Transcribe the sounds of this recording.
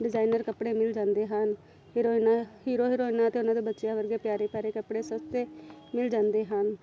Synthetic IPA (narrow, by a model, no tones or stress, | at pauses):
ɖɪzaːinəɾkəpɽeːmɪld͡ʒãːnd̪eːɦən | ɦiɾoːnaɦiːɾoːɦiːɾoːɪnãːət̪eːʊnãːd̪eːbətːʃɪjaːʋəɾɡeːpɪjaːɾeːpjaːɾeːkəpɽeːsəst̪eːmɪld͡ʒãːnd̪eːɦən